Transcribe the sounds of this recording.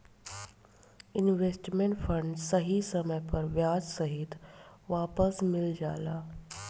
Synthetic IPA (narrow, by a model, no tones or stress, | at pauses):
ɪnʋeːsʈmẽɳʈfɐ̃ɳɖsɐɦisɐməjpɐɾʋjaːd͡ʒsɐɦɪt̪ʋaːpəsmɪld͡ʒa̰ːlaː